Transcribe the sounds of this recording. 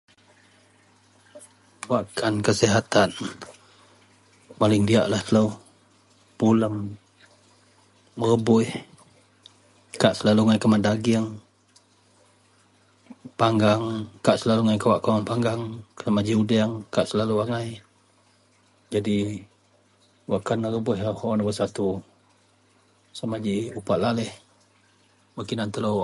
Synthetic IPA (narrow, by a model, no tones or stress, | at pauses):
waʔkʰankəsiɦat̪an | malɪŋdia̰ʔlaht̪ələw | puləm | ərəbʊɪh | kaʔsəlaluaŋajkamandaɡɪəŋ | paŋɡaŋkaʔsəlaluŋajkawaʔkawaŋpaŋɡaŋksamad͡ʒiudɛŋkaʔsəlaluaŋaj | d͡ʒadi | waʔkanːəɾəbʊɦhonabəsat̪u | samad͡ʒiupaʔlalɪh | makinant̪əloʔ